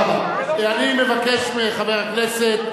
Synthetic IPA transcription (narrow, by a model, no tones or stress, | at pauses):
ma | eanimevakeʃmeχaveʁakneset̪